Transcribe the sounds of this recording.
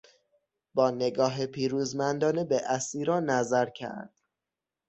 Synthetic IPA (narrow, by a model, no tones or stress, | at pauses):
bɒːne̞ɡɒːɦepʰiːɾuːzmænd̪ɒːnebeʔæsiːɾɒːnːæzæɾcʰæ̰ɾd̪̥